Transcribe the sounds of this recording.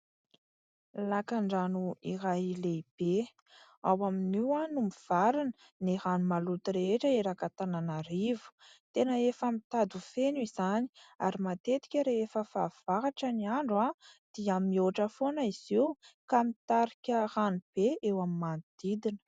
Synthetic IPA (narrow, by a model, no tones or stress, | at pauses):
lakaɳɖ͡ʐanuirajileib̥e | awaminiwanumiv̥aɾinə̥ | niɾanumalut̪iɾeeʈ͡ʂəeɾakat̪ananaɾivu̥t̪enəefamit̪ad̪ufenuizani̥aɾimat̪et̪i̥kʲəɾeefəfav̥aɦaʈ͡ʂaniaɳɖ͡ʐad̪̥iamioʈ͡ʂəfonəiz̥iwkamit̪aɾikʲəranub̥eewamimand̪̥id̪inə̥